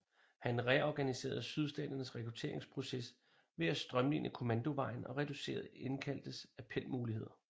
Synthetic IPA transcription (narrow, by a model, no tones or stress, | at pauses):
hænʁɛɒɡ̥ænise̝̰ːɐð̞̩ˠsyð̞ˠsd̥ɛ̰ːd̥ɐnəsʁɛkʁ̥ut͡sʰe̝̰ɐe̝ŋspʰʁo̝ses | ʋe̝æsd̥ʁɶmlḭːnʔəkʰo̝mænd̥o̝ʋɑ̈ɪ̰n̩ɒ̽ʁɛd̥use̝̰ːɐð̩ˠe̝nkʰæl̰d̥əsæpʰel̰muːlihe̝ð̰ˠɐ